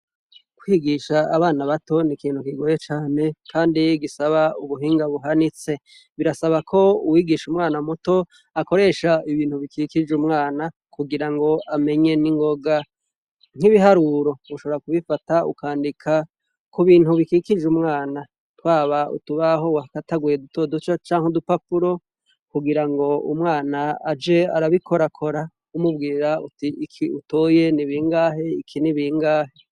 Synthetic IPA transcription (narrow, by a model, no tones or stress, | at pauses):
kwiːɡiʃaːβaːnaβato̞nikiːn̥hukiɡojet͡ʃaːne̞kʰaːndiɡisaβauβuɦiːŋɡaβuɦanit͡se̞ | βiɾasaβakʰo̞uwiːɡiʃumŋaːnamuto̞ | ako̞ɾe̞ʃaiβiːn̥huβikikid͡ʒumŋaːna | kuɡiɾaŋɡo̞ʔame̞ɲe̞niŋɡo̞ɡa | ŋ̥hiβiɦaɾuɾo̞uʃo̞βoɾakuβifataṵkaːndikʰa | kʰuβiːn̥huβikiːkid͡ʒumŋaːna | twaːβaṵtuβaɦo̞wakataɡujedutʰoːdut͡ʃat͡ʃaːŋ̥udupapuɾo̞ | kuɡiɾaŋɡo̞ṵmŋaːnaːd͡ʒe̞a̰ɾaβikʰo̞ɾakʰo̞ɾa | umubɡiːɾautiikʰiuto̞ːje̞niβiːŋɡaːɦe̞ikʰiniβiŋɡaːhe̞